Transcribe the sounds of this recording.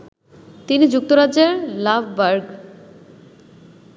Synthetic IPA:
t̪inid͡ʑuk̚t̪oɾaeɾlabʱbaɾɡ

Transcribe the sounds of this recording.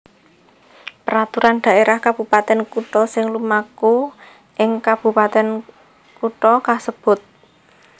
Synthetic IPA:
pəɾat̪uɾand̪̥a̤ʔeɾahkab̥ṳpat̪ɛnkuʈɔsɪŋlumaku | ʔɪŋkab̥ṳpat̪ɛn | kuʈɔkasəb̥ʊ̤t̪̚

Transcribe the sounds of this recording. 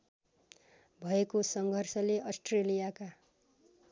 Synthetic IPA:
bʱʌekosʌŋɡʱʌrsʌleʔʌsʈrelijaka

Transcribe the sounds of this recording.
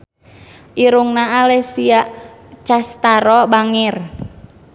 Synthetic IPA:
ʔiɾuŋnaːlɛsiaʔt͡ʃast̪aɾɔbaŋir

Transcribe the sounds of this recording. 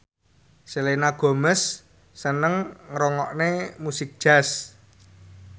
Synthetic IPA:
selenaɡ̥o̤məsː | ənəŋːɾɔŋɔʔnemusɪk̚d̥ʒ̥a̤s

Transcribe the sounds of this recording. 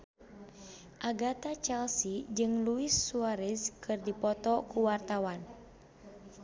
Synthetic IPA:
ʔaɡat̪at͡ʃɛlsid͡ʒɨŋluisːuaɾɛskʰɨrdipɔt̪ɔkuwart̪awan

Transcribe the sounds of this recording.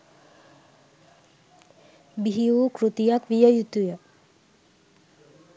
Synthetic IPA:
biɦiukɾut̪ijakʋijəjut̪ujə

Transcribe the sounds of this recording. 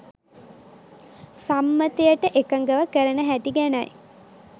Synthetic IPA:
samːət̪ejəʈəʔekəŋɡəʋəkəɾənəɦæʈiɡænɐj

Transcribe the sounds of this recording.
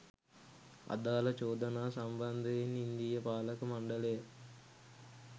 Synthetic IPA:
ɐ̰d̪aːlɐt͡ʃɔːd̪ɐnaːsɐmbɐnd̪ʱeːnind̪ijɐpaːlɐkɐmɐɳɖɐleː

